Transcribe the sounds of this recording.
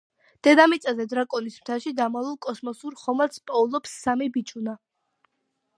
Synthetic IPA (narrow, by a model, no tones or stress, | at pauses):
d̪̥ɛd̪amit̪sʼazɛd̪ɾakʼɔnismt̪ʰaʃid̪amalˠulˠkʼɔsmɔsuɾχɔmat̪spʼɔulˠɔpsːamibit͡ʃʰʼuna